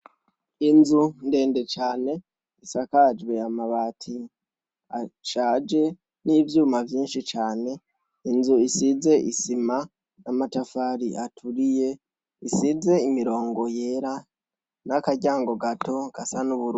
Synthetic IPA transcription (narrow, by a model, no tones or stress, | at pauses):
inzunde̞ːnde̞t͡ʃaːne̞ | isakad͡ʒɡwe̞amaβaːtʰi | aʃaːd͡ʒe̞ | nivjuːmavjiːnʃit͡ʃaːne̞ | inzuisize̞ʔisima | namatafaɾiʔatʰuɾije̞ | isize̞imiɾo̞ːŋɡo̞je̞ɾa | nakaɟaːŋɡo̞ɡato̞ɡ̥asanuβuɾ